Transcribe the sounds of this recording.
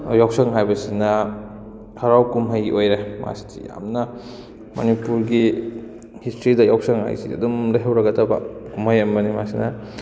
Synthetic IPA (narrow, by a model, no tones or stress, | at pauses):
jawsɐŋɦajbɐsinɐ | hɐɾawkumɦɐjḭʔojɾema̰stḭja̰mnɐ | mɐ̰nipuɾɡi | histɾidɐjawsɐŋha̰jsḭɐ̰dumlɐjɦɐwɾɐɡɐtɐba̰kumhɐjɐmbɐnimasinɐ